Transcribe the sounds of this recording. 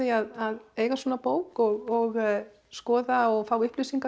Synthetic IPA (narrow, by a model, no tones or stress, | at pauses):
ðiaðaðeːjɣasvɔːnapoːwkɔɣɔɣ | skɔːðaɔɣfaːwʏhplʏːsiŋka